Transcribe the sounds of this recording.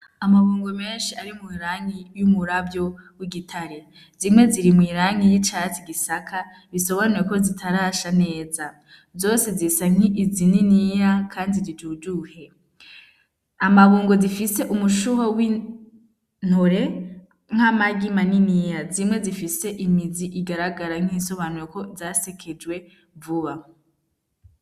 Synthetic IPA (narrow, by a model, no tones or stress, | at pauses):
amaβuːŋɡome̞ːnʃiaɾimwiɾaŋijumuɾabjo̞wiɡitʰaɾe | zimŋe̞ziɾimwiːɾaŋijit͡ʃat͡siɡisakʰa | βiso̞βanuɾeko̞zitʰaɾaːʃane̞ːza | zo̞ːse̞zisaŋ̥iʔːzininijakʰaːndiɾid͡ʒuːd͡ʒuhe̞ | amaβuːŋɡozifise̞ʔumuʃuɦowi | n̥hoɾe̞ | ŋ̥amaɡimaninijazimŋe̞zifise̞ʔimiziʔiɡaɾaɡaɾaŋ̥iːnso̞βanuɾeko̞zasekʰed͡ʒwe̞ | vuβa